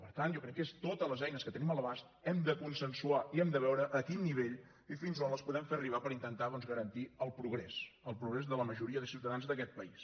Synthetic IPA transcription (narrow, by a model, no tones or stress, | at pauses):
pəɾt̪anʒokɾɛkːest̪ot̪ələzɛjnəskət̪ənimələβast̪ɛmd̪əkunsənsuaiɛmd̪əβɛwɾəʔːkinːiβ̞eʎ | ifinzonləspuðɛmferiβ̞apəɾint̪ənt̪aðɔnzɣəɾənt̪iəlˠpɾuɣɾɛsəlˠpɾuɣɾɛzðələməʒuɾiəðəsiwt̪əðanzðəkɛt̪̚pəis